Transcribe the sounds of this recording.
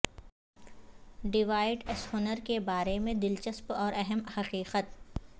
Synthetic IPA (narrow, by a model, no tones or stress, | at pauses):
ɖɪʋaːɪɖɪshʊnəɾkebaːɾemẽd̪ɪlt͡ʃəspɔːɾɛɦəmhɐqiːqət̪̚